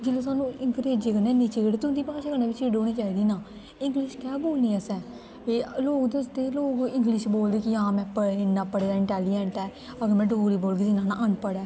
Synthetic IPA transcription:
d͡ʒelõːsaːnũːɪŋkəɾeːd͡ʒeːɡənɛːniːt͡ʃeːɡɽt̪ʊnd̪iːpaːʃaːɡənaːʋɪt͡ʃeːɖoːɽ̃iːt͡ʃaːiːd̪iːnãː | ɪ̃ŋɡlɪʃkɛːboːlniːɛːsɛː | ʋeːloːkd̪eʊst̪eːloːɡɪ̃ŋɡlɪʃboːld̪eːkɪãːmɛ̃ːpəɪnːaːpəɽeːd̪aːɪʈaːlɪɛɳʈɛː | əɡəɾmɛ̃ːɖoːɾiːboːlɡisɪnãːna̰ːʔəɳpəɽɛː

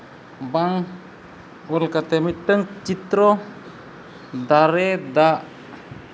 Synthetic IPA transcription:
baŋ | ɔlkat̪emitəŋt͡ʃit̪ɾɔ | d̪aɾed̪aʔ

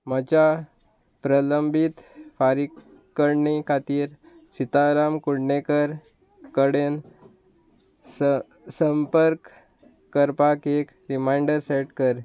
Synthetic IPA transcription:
mət͡ɕa | pɾələmbʱit̪faɾik | kːəɾɳikʰat̪iːɾ | sit̪aɾamkuɽɳekəɾ | kəɽen | s | səmpəɾkː | əɾpakek | ɾimajɳɖəɾseʈkəɾ

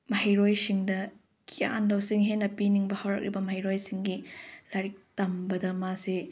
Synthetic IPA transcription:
mɐhɐjɾojsiŋdɐ | kʰia̰ndɐwsiŋɦenːɐpiniŋbɐhawɾɐ̰k̚ɾibɐmɐhijɾojsiŋɡilaɾik̚tɐmbɐdɐmasi

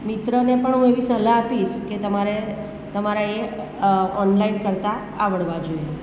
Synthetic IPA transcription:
mit̪ɾənepəɳɦũeʋisəɦlaːpiʃket̪əmaɾe | t̪əmaɾae | ɔnlainkəɾt̪aː | ʋəɽʋad͡ʒoe

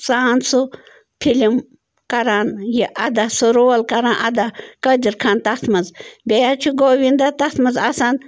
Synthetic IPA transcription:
saːnsu | pʰilim | kɐɾaːnjiʔɐd̪asuɾoːlkɐɾaːnʔɐd̪akɐd͡ʒiɾkʰaːnt̪ɐt̪ʰmɐzbʲejat͡ʃʰuɡoːʋind̪at̪ɐt̪ʰmɐzasaːn

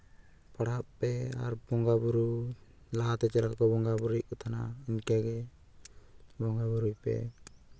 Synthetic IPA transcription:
paɽappɛa̰ɾbɔŋɡabuɾu | laɦat̪ɛt͡ʃɛlakɔbɔŋɡabuɾiʔ̚kɔt̪ʰana̰iɲkɛɡɛ | bɔŋɡabuɾujpɛ̰

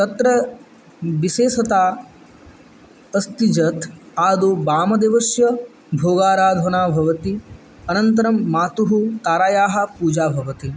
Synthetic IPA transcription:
t̪ɐt̪ɾɐ | ʋiʃeːsɐt̪aː | ɐst̪id͡ʒɐt̪aːd̪obaːmɐd̪eʋɐsjɐ | bʱoːɡaːɾaːd̪ʱʋɐnaːbʱɐʋɐt̪i | ɐnɐnt̪ɐɾɐmːaːt̪uɦut̪aːɾaːjaːɦɐpuːd͡ʒaːbʱɐʋɐt̪i

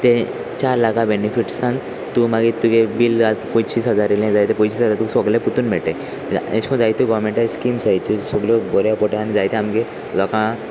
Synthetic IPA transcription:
t̪e | t͡ɕaɾlakabenifiʈsãn | t̪umaɡit̪uɡebilatpɔ̃jt͡ɕiːsɦəd͡zaɾelãd͡zajt̪ẽpɔ̃t͡ɕiːsɦəd͡zaɾt̪usɔɡleput̪unmɛʈe | ḛskɔ̃d͡zajt̪uɡɔʋmẽɳʈajskimsajt̪usɔɡljɔbɔɾjapɔʈeanid͡zajt̪ɛamke | lɔkã

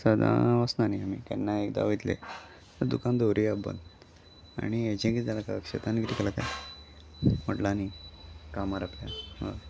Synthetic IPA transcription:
səd̪a̰ʋəsnaniamḭːkɛ̰nːaekd̪a̰ʋəjt̪lḛ | t̪əɾd̪ukand̪oɾiabə̰nd̪ | a̰ñied͡ʑẽkid͡zalakakʂet̪anɡɾikəlakaj | m̤əʈlanikamaɾapljaʋa̰

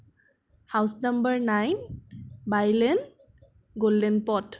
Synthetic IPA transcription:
hawsnʌmbəɹnajnbajlɛn | ɡoldɛnpɔt

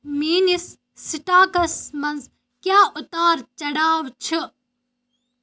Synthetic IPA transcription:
miːnisː | iʈaːkɐsmɐnz | kjaːut̪aːɾt͡ʃɐɽaːʋt͡ʃʰi

